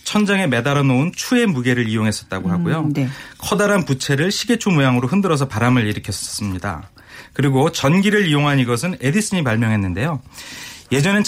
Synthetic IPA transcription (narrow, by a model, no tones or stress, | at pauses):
t͡ɕʰʌnd͡ʑaŋeme̞daɾʌnount͡ɕʰue̞muɡe̞ɾɯɾijoŋɦe̞s͈ʌt̚t͈aɡoɦaɡojokʰʌdaɾanput͡ɕʰe̞ɾɯɭɕʰiɡe̞t͡ɕʰumujaŋɯɾoɸɯndɯɾʌs̬ʰʌpaɾamɯɾiɾɯkʰjʌss͈ɯmɲida̰ | kɯɾiɡot͡ɕʌnɡiɾɯɾijoŋɦaniɡʌs̬ʰɯne̞dis͈ɯɲimaɭmjʌŋɦenːɯnde̞jo | je̞d͡ʑʌne